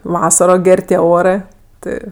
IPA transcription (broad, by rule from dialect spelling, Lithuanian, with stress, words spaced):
ˈʋɑːsɐroː ˈɡʲɛrʲ tʲiɛ ˈoːrɜ ˈtɜ